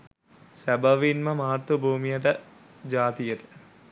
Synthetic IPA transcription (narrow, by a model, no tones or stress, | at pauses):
sæbəʋinməmaːat̪ʋəbʱuːmijəʈ̬ə | d͡ʒaːt̪ijəʈə̥